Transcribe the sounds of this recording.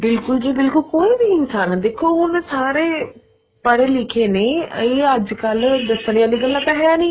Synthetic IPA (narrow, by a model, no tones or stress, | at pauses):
bɪlkʊld͡ʒeːbɪlkʊlkoːiːbiɪnsaːnaːd̪eːkʰːoːɦʊnsaːɾeː | pəɽeːlɪkʰeːneːeːəd͡ʒkəld̪əsəɾiãːd̪iːɡəlːãːt̪ãːɦɛnĩː